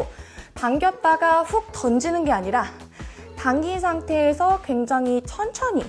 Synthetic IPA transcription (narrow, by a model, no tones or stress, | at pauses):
taŋɡjʌp̚p͈aɡaɸuk̚t͈ʌnd͡ʑinɯnɡe̞aɲiɾa | taŋɡis̬ʰaŋtʰe̞ːsʰʌkwe̞ŋd͡ʑaŋɦit͡ɕʰʌnt͡ɕʰʌɲi